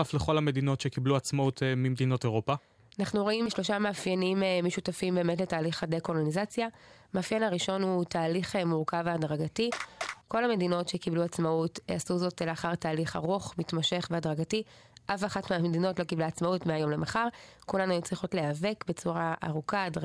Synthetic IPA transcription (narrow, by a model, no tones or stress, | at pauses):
afleχo̞lame̞dino̞tʃekibluat͡smautmimed̪ino̞teʁopa | anaχnuʁo̞imʃlo̞ʃamaːfjanimmiʃutafimbe̞ːmetletaːliχadeko̞lo̞nizat͡sjamaːfjenhaʁiʃo̞nhutʰaːliχemuʁkavaadʁaɡatiko̞lhame̞dino̞tʃekibluat͡smautḛasuzo̞tleaχaʁtaːliχa̰ʁuχmitmaʃe̞χbeadʁaɡati | ʔafaχatmeamedino̞tlo̞kiblaat͡smautmeajo̞mle̞maχaʁkulanuajut͡sliχo̞tleave̞kbe̞t͡suʁaʔa̰ʁukad